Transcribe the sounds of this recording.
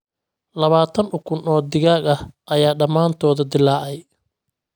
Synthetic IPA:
lɐβaːt̪ʰɐnʊkʰʊnɔːd̪ɪɣaːɡɐhʔɐjaːɖɐmaːnt̪ʰɔːðɐd̪ɪlːaːʔɛj

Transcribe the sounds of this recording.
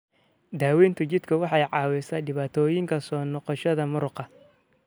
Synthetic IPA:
d̪aːwɛːnt̪ʰʊt͡ʃɪd̪kʰɐwɑħɑjʕɑːwɛsɐdɪβaːt̪ʰɔːjɪŋkʰɐsɔːnɔqɔʃɐðɐmʊɾʊqɑ

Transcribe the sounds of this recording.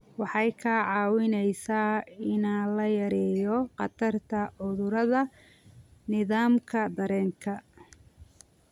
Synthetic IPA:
wɑħɑjkʰaʕɑːwɪnɛjsaːɪnaːlɐjɐɾɛːjɔqɑ̰t̪ʰɐrt̪ʰɐʕʊðʊɾɐðɐ | nɪðaːmkʰɐd̪ɐɾɛːŋkʰɐ

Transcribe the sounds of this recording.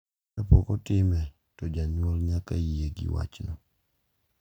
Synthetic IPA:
apɔkɔtɪmɛ | tɔd͡ʒaɲwɔlɲakajieɡɪ̰wa̰t͡ʃnɔ

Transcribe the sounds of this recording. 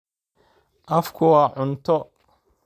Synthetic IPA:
ʔɐfkʰʊwɑːʕʊnt̪ʰɔ

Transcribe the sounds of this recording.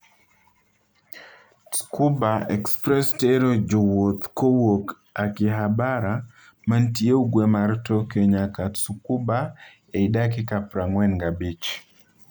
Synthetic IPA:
su̥kubaɛkspɾɛstɛɾɔd͡ʒɔwɔt̪kɔwɔk | akiɦabaɾa | mantieuɡwɛmaɾtɔkɛɲakasukuba | ɛidak̬ikapɾaŋwɛnɡabit͡ʃ

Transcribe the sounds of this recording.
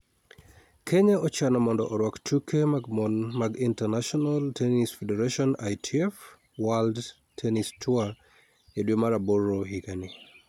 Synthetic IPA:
kʰeɲaɔt͡ʃanɔmɔndɔ̰ʔɔɾwakt͡ʃukʰemaɡmɔnmaɡintɛnaʃɔnaltʰenisfedɛɾaʃɔnajtʰiɛf | wald | tʰɛnistʰua | edwemaɾaboɾoɦiɡani

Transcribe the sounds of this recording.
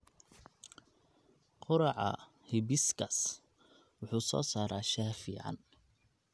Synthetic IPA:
qʊɾɑʕɑ̰ | hɪbɪskʰɐs | wʊħuːsɔ̰ːsaːɾaːʃaːfiːʕɑ̰n

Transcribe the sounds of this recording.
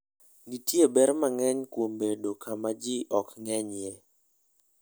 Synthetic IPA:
ɡitjebɛɾmaŋɛɲkwombedokʰamad͡ʒiʔɔkŋɛɲjɛ

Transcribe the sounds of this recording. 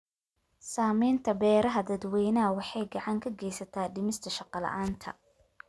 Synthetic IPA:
saːmɛjnt̪ʰɐbɛːɾɐɦɐd̪ɐd̪wɛjnɐwɑħɑjɡɑʕɑŋkʰɐɡɛjsɐt̪ʰaːɖɪmɪst̪ʰɐʃɑqɑlɐ̰ʔaːnt̪ʰɐ̰

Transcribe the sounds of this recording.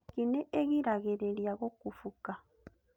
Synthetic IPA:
kineʔeɣiɾaɣeɾeljaɣokufuka

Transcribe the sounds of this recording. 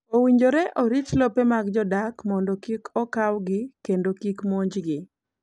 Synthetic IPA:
owiɲd͡ʒoɾeʔoɾit͡ʃlopemaɡd͡ʒɔdakmɔndɔkikʰɔkawɡɪkendokikmoɲd͡ʒɡɪ

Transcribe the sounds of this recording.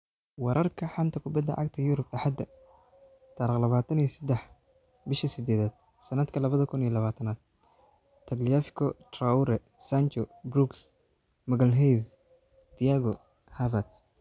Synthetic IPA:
wɑɾʔɐrkʰɐħamt̪ʰɐkʰʊbɐd̪ːɐ̰ʕɑɡt̪ʰɐjʊɾʊbɐħad̪ɐ | t̪ʰaːɾiqlɐβaːt̪ʰɐnijsɐd̪ɛħ | bɪʃɐsɪd̪ɛːðaːd̪̥̚ | sɐnɐd̪kʰɐlɐβɐðɐkʰʊniɐlɐβaːt̪ʰɐnaːd̪̚ | t̪ʰɐɡlijafɪ̥kʰɔt̪rauɾɛ | sant͡ʃɔbɾuks | mɐɣɐlɦɛjs | d̪̥ijaɡɔ | havɐt̪

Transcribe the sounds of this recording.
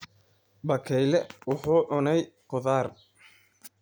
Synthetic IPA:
bɐkʰɛjlɛwʊħuːʕʊnɛjqʊðaːr

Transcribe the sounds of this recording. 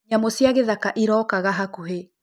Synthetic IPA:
ɲamosiaɣeðakaʔiɾɔːkaɣaɦakoɦe

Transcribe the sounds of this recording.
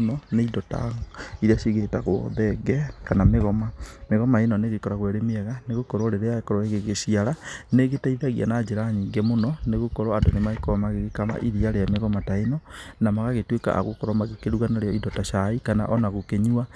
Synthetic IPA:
nɔneidɔta̰iɾeasiɣetaɣɔ̰ðɛɡɛkanameɣɔmameɣɔmaenɔneɣekɔɾaɣwɛɾemiɛɣaneɣokoɾoɾeɾeaekɔɾɔeɣeɣesiaɾaneɣetaiðaɣia̰nad͡ʒeɾaɲiŋɡɛmonɔneɣokɔɾɔandonemaekomaɣeɣekama̰ʔiðiaɾeameɣɔmataenɔnamaɣaɣetweka̰ʔa̰ɣokɔɾɔmaɣekeɾuɣanaɾeɔidɔtaʃaikana̰ʔɔnaɣokeɲua

